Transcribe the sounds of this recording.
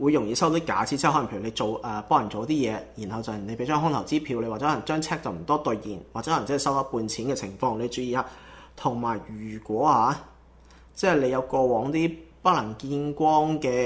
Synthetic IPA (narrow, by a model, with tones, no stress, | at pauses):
wuː˨˧jʊ˨˩ŋjiː˨˧˥sɐ˥wt̪i˥ka̰ː˨˥t͡sʰi˧˥t͡sɛ˥˨hɔ˧˥˨pʰe˧˩˨e˧jt͡ʃo˨wʔɛ˨pɔː˥lɐ˨˩nt͡so˨wt̪iː˥jɛː˨˧ji˨˩nhɐ˨wt͡sɐ˨˩wne˧pe˨˥jt͡ʃœː˥ŋɦʊ˥ŋt̪ʰɐ˨˩wt͡siː˥pʰiː˧wle˧wa˨ɛ˥ɔ˨˥n˨˩t͡ʃœː˥ŋt͡sʰɛː˥k̚t͡sɐ˨wm̩˨˩t̪ɔː˥t̪ɵ˨˧ɥjḭː˨˩nwa˨t͡sɛ˧˥ɔː˧˥˨t͡sɐ˥˨˩sɐ˥wɔ˥puː˧nt͡sʰiː˨˥nkɛː˧t͡sʰɪ˨˩ŋfɔː˧ŋle˨˧jt͡ʃyː˨˧jiː˧aː˧t̪ʰʊ˨˩ŋmaː˨˩jɥyː˨˩kʷɔː˨˥haː˨˧˥ | t͡sɛː˥˩jle˨˧jɐ˨˧wkɔː˧wɔː˨˥ŋt̪iː˥pɐ˥k̚lɐ˨˩ŋkiː˧˥nkʷɔː˥ŋkɛː˧